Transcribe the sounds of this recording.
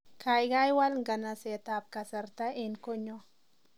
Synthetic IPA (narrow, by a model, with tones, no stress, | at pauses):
kʰa˨jɡa˦jwa˦lŋɡa˨na˨sɛ˨t̪a˨p̚ka˨sa˨ɾt̪a˦ɪ˨nko˦ɲo˦